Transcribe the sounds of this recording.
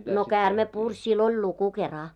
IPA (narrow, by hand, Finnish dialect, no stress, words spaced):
no kæːrme purʲ silː olʲ luku kerɑ